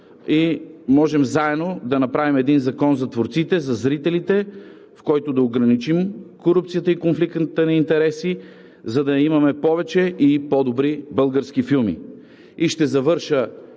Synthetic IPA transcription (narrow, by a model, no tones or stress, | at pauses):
imɔʒɛmzaɛd̪nod̪ɐnɐpɾavimɛd̪inzɐkɔnzɐt̪voɾt̪sit̪ɛzɐzɾit̪ɛlit̪ɛ | fkɔjt̪ʊd̪ɐoɡɾɐnit͡ʃimkoɾupt̪sijət̪əikonflik̪t̪ənɐint̪ɛɾɛsi | zɐd̪ɐimɐmɛpɔvɛt͡ʃɛʔipɔd̪obɾibɤlˠɡəɾsk̟ifilˠmḭ | iʃt̪ɛzɐvɤɾʃə